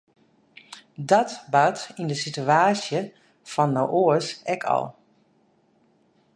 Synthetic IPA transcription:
dɔtbatindəsityaːsjə | fɔnːəʔoəsɛkʰɔ̰lˠ

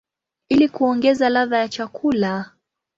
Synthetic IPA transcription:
ilikuɔŋɡɛzalaðajat͡ʃakʰula

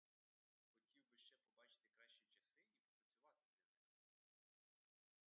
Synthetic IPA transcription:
xɔtʲiwbɪʃt͡ʃɛpɔbɑt͡ʃe̥t̪ɪkɾɑʃt͡ʃit͡ʃɐsɪipɔpɾɐt͡sʲʊʋɑt̪ɪd̪lʲɛnɛn

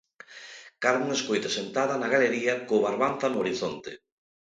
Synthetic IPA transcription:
kaɾmuŋeskojt̪asent̪aðɐnaɣaleɾiɐkoβaɾβanθɐnʊoɾiθont̪ḛ

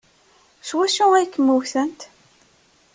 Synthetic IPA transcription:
ʃwæʃuækːmuwθənt̪

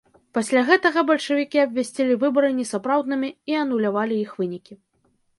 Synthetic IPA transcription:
pasʲlʲaɣɛt̪ɐɣɐbɐlʲʂɐvʲikʲiɐbʲvʲasʲt͡sʲɛlʲivɨbɐɾɨnʲɛsapɾawd̪nɨmʲiianulʲavalʲijixvɨnʲikʲi

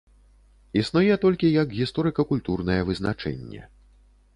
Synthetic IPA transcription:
isnujɛt̪ɔlʲkʲijɐkɣʲist̪ɔɾɨkɐkulʲt̪urnɐjɛvɨzna̰t͡ʂɛ̰nʲːɛ̰

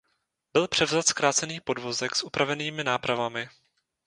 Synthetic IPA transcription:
bɪlpr̥ɛvzat̪skɾaːt͡sɛniːpo̞dvo̞zɛksʔupɾavɛniːmɪnaːpɾavamɪ

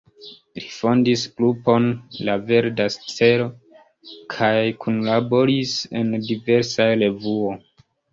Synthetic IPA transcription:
lifo̞ndisɡɾupo̞nlave̞ɾdast͡se̞ɾo̞ | kʰajkʰunlabo̞ɾisḛndive̞ɾsaɾe̞vuo̞

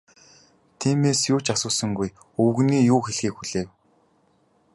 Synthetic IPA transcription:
t̪ʰiːmeːsjʊːt͡ɕasʊːsə̆ŋɡuj | ɵwɣniːjʊːxeɮxiːkxuɮeːw

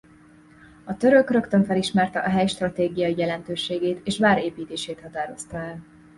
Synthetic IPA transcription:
ɒt̪øɾø̞krøkt̪øɱfɛliʃmɛrt̪ɛʔɒɦɛjʃt̪rɒt̪eːɡijɒijɛlɛnt̪øːʃeːɡeːt̪eːʃvaːɾeːpiːt̪eːʃeːt̪hɒt̪aːɾo̞st̪ɒɛl

